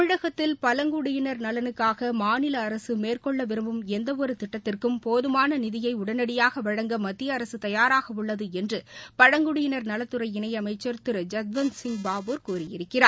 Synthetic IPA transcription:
ɪɻɐɣɐt̪ːɪlpɐlɐŋɡʊɽɪjɪnɐɾnɐlɐnɯkːaːɣɐmaːnɪlɐːɾɐsɯmeːrkɔɭːɐʋɪɾɯmbɯmɛnd̪ɐʋɔɾɯt̪ɪʈːɐt̪ːɪrkɯmpoːðɯmaːnɐnɪðɪjɐɪʊɽɐnɐɽɪjaːɣɐʋɐɻɐŋɡɐmɐt̪ːɪjɐːɾɐsɯt̪ɐjaːɾaːɣɐʋʊɭːɐðɯɛndrɯpɐɻɐŋɡʊɽɪjɪnɐɾnɐlɐt̪ːɯɾɐɪɪnɐjɐmɐɪt͡ʃːɐɾt̪ɯɾɐd͡ʒɐt̪̚ʋɐnsɪŋɡbaːboːɾkuːɾɪjɪɾɯkːɪɾaː

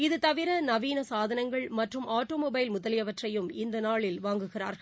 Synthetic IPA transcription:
ɪðɯt̪ɐʋɪɾɐnɐʋiːnɐsaːðɐnɐŋɡɐɭmɐʈrɯmaːʈːoːmoːbɐɪlmʊðɐlɪjɐʋɐʈrɐjɯmɪnd̪ɐnaːɭɪlʋaːŋɡɯɣɪra̰ːɾɐ

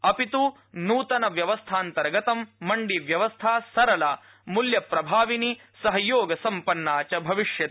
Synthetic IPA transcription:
ɐpit̪u | nuːt̪ɐnɐʋjɐʋɐst̪ʰaːnt̪ɐɾɡɐt̪ɐmːɐɳɖiʋjɐʋɐst̪ʰaːsɐɾɐlɐ | muljɐpɾɐbʱaːʋini | sɐɦɐjoːɡɐsɐmpɐnːaːt͡ʃɐbʱɐʋiʂjɐt̪

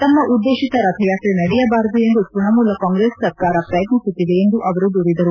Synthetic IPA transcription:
t̪ɐmːɐʔud̪ːeːʃit̪ɐɾɐt̪ʰɐjaːkenɐɽɛjɐbaːɾɐd̪ue̞nd̪upuɳɐmuːlɐkaːŋɡɾeːsːɐɾkaːɾɐpɾɐjɐt̪nisut̪ːid̪e̞ːnd̪uʔɐʋɐɾud̪uːɾid̪ɐɾu

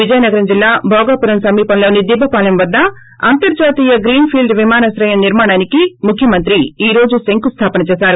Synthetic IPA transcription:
ʋid͡ʒɐjɐnɐɡɐɾɐmd͡ʒilːaːbʱɔːɡaːpuɾɐmsɐmːiːpɐnloːnid̪ibʱːɐpaːlɐmʋɐd̪ːɐ | ɐ̰nt̪ɐɾd͡ʒaːt̪iːjɐɡɾiːnpʰiːlɖʋimaːnɐsɾɐjɐmniɾmaːɽaːnikimukʰjɐmɐnt̪ɾiiːɾoːd͡ʒuseŋkust̪ʰaːpɐnɐt͡ʃɛːsaːɾu

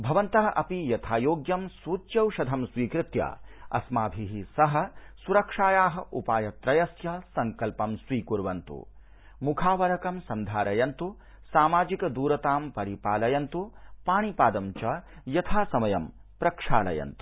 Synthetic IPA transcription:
bʱɐʋɐnt̪ɐɦɐʔɐpijɐt̪ʰaːjoːɡjɐmsuːt̪jɐwʃɐd̪ʱɐmsʋiːkɾɪt̪ja̰ːɐ̰smaːbʱiɦisɐɦɐ̆suɾɐkʂaːjaːɦɐ̆ʔupaːjɐt̪ɾɐjɐsjɐsɐŋkɐlpɐmsʋiːkuɾʋɐnt̪ṵ | mukʰaːʋɐɾɐkɐmsɐnd̪ʱaːɾɐjɐnt̪u | saːmaːd͡ʒikɐd̪uːɾɐt̪aːmpɐɾipaːlɐjɐnt̪upaːɳ̃ipaːd̪ɐmt͡ʃɐjɐt̪ʰaːsɐmɐjɐmpɾɐkʂa̰ːlɐ̰jɐ̰nt̪u̥

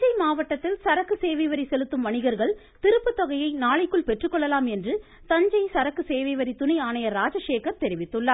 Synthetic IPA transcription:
d͡ʒɐɪmaːʋɐʈːɐt̪ːɪlsɐɾɐkːɯseːʋiʋɐɾisɛlɯt̪ːɯmʋɐɳɪɣɐɾɣɐɭ | t̪ɪɾɯpːɯt̪ːɔɣɐjɐɪnaːɭɪkːɯɭpɛʈrɯkːɔɭːɐlaːmɛndrɯ | t̪ɐɲd͡ʒɐɪsɐɾɐkːɯseːʋiʋɐɾit̪ʊnɐɪaːnɐjɐɾaːd͡ʒɐʂeːkɐɾt̪ɛɾɪʋɪt̪ːɯɭːɐ

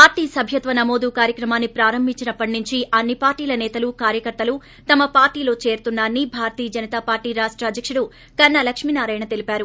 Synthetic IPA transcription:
paːɾʈiːsɐbʱjɐt̪ʋɐnɐmo̞ːd̪ukaːɾjɐkɾɐmaːnːipɾaːɾɐmbʱiɲt͡ʃinɐpːɐʈinuɲt͡ʃiɐnːipaːɾʈiːlɐnɛːt̪ɐlukaːɾjɐkɐɾt̪ɐlu | t̪ɐmɐpaːɾʈiːlo̞ːt͡ʃe̞ːɾt̪unːaːɐnːibʱaːɾɐt̪iːɐd͡ʒɐnɐt̪aːpaːɾʈiːɾaːʂʈɾaːd̪ʱjɐkʂuɽu | kɐnːɐlɐkʂmiːnaːɾaːjɐɳɐt̪e̞lipaːɾu

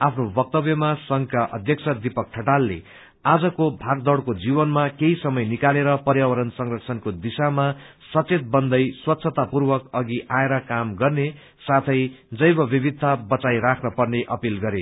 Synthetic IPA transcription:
apʰnobʌk̚t̪ʌbjʌmasʌŋɡkaʔʌ̰d̪ʱjʌk̚sʰʌd̪ipʌk̚ʈʰʌʈalːḛ | ad͡zʌkobʱaɡd̪ʌɽkod͡zibʌnmakeisʌmʌjnikaleɾʌpʌrjawʌɾʌnsʌŋrʌksʰʌnkod̪isama | sʌt͡set̪̚bʌnd̪ʌjswʌt̪ːsʰʌt̪apurbʌkʌɡiʔaeɾʌkamɡʌrne | sat̪ʰʌjd͡zʌjbʌbibid̪ʱːabʌt͡sajɾakʰnʌpʌrneʔʌpilɡʌɾe

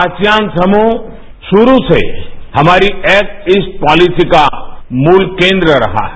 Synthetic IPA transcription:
at͡ʃjãːnsɐmu | ʃʊɾusḛhɐmaːɾiɛːk̚ɪspɔːlisikamuːlkẽːnd̪ɾəɾɐ̰ɦa̰ɦɛ

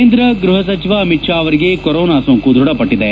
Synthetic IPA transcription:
nd̪ɾɐɡɾuɦɐsɐt͡ʃiʋɐːmiʈʂaːʋɐɾiɡe̞kɔɾɔːnaːsoŋkud̪ʱuɽɐpɐʈːid̪e

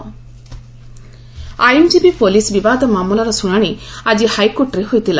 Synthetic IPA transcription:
ajemd͡ʒibipolisbibad̪ɔmaːmulaɾɔsuɽ̃aɽ̃iad͡ʒihajkoʈɾeɦojt̪ila

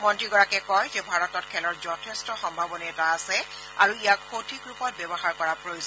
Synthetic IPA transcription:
mɔntɹiɡɔɹakɛkɔjzɛbʱaɹɔtɔtkʰɛlɔɹzɔtʰestɔxɔmbʱabɔnɛɛtaːsɛ | aɹuijakxotʰikɹupɔt̚bɛbɔxaɹkɔɹapɹojoz

